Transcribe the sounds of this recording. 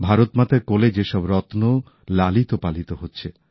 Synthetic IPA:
bʱaɾot̪mat̪aɾkɔled͡ʑeʃɔbɾɔt̪no | lalit̪opalit̪oɦotːɕʰe

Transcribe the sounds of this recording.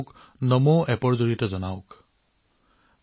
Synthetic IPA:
k | nɔmɔʔɛpɔɹzoɹitɔzɔnaʊk

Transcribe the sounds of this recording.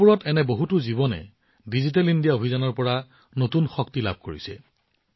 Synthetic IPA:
puɹɔtɛnɛboɦutuzibɔnɛ̰ | dizit̬ɛlindijaobʱizanɔɹpɔɹa | notunxɔktila̰b̚ʱkoɹisɛ̰

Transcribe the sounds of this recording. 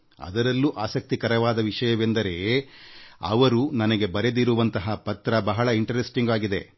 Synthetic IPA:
ɐ̰d̪ɐɾɐlːuʔaːsɐk̚t̪ikɐɾɐʋaːd̪ɐʋiʂɐjɐʋe̞nd̪ɐɾe̞ | ɐ̰ʋɐɾunɐnɐɡe̞bɐɾe̞d̪iɾuʋɐnt̪ɐɦɐpɐt̪ɾɐbɐɦɐɭɐiɳʈɐɾesʈiŋɡaːɡid̪e̞

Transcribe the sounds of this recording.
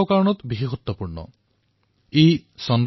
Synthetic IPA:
wkaɾɔñɔt̪biɦiɦut̪ːɔpuɹɳɔ̰ | ejsɔnd

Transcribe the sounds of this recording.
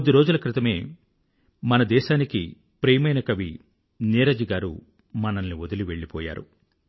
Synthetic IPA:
d̪iɾo̞ːd͡ʒulɐkɾit̪ɐme̞ː | mɐnɐd̪ɛːʃaːnikḭ | pɾeːmɐjnɐkɐʋi | nɛːɾɐd͡ʒiɡaːɾṵ | mɐnɐnːiod̪uliʋe̞ɭːipɔːja̰ːɾṵ

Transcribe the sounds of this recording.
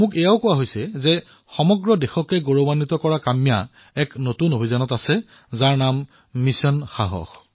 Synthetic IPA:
mʊkɛjaʊkʊwaɦojsɛzɛ | xɔmɔɡɹɔdɛxɔkɛɡoɹobanːitɔkɔɹakamija̰ | ɛknotunobʱizanɔtasɛ | zaɹnamː | isɔnxaɦɔ̰x

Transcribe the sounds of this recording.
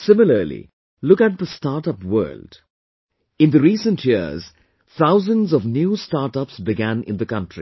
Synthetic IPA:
sɪmɪləlḭ | lʊkæʈ̚d̪əstaːʈʌpwɜ̰ːld | ɪ̃nd̪əɾiːsə̃nʈʰjiəz̥ | t̪ʰaʊzə̃nzɔvnjuːstaːɾʈʌpsbɪɡæ̃nɪ̰̃nd̪əkʌ̃ntɹ̥ḭ

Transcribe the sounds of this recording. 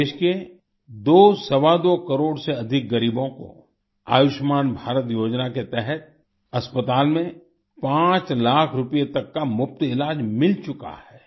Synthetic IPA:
ʃke | d̪oːsɐʋad̪oːkɐɾoːɽseɐd̪ʱɪk̚ɡɐɾiːbõko̰ | a̰ːjʊʃmaːnbʱaːɾət̪joːd͡ʒnaket̪ɛɦɛt̪̚ | ɐspət̪aːlmẽ | pãːt͡ʃlaːkʰɾʊpijet̪ɐkːamʊp̚t̪ɪlaːd͡ʒmɪlt͡ʃʊka̰hɛː

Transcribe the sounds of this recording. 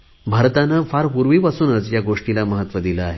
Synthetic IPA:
bʱaɾt̪anəfaɾpuɾʋiʋasuːnət͡sjaɡoʂʈilaməɦət̪ʋəd̪iləaɦe

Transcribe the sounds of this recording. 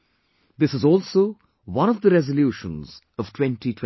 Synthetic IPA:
d̪ɪsɨzɔːlˠsoʊ | wʌ̃ñəvd̪əɾɛzəljuːʃə̃nz̥ | ʌv̥tʰwɛ̃nʈitʰw

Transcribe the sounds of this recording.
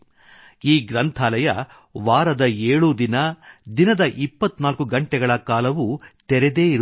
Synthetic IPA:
iːɡɾɐnt̪ʰaːlɐjɐ̰ | ʋaːɾɐd̪ɐeːɭud̪inɐd̪inɐd̪ɐʔipːɐt̪naːlkuɡɐɳʈɛɡɐɭɐkaːlɐʋut̪ɛɾɛd̪e̞ːiɾ

